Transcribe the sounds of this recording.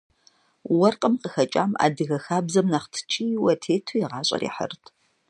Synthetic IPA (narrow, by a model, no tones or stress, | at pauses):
wɐrqʼəmqəxɐt͡ʃʼa̰ːma̰ːdɨɣɐxaːbzɐmnɐχtʰɨ̥t͡ʃʰʼiːwɐtʰeːtʰujɪʁɑːɕʼɐ̰ɾḭːħə̰rtʰ